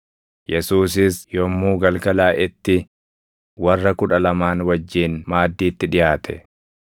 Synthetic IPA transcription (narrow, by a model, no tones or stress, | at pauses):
jɛsuːs̬ɪsjɔmːuːɡɐlɡɐlaːʔɪt̪ːɪ | wɐrːɐkʊᶑɐlɐmaːnwɐd͡ʒːiːnmaːd̪ːiːt̪ːɪᶑɪjaːt̪ʰɛ̰